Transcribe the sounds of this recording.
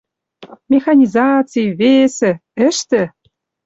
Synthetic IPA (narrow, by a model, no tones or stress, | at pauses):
mʲexɑnʲizɑt͡sɨjβesĕɘ̆ʃt̪ɘ̆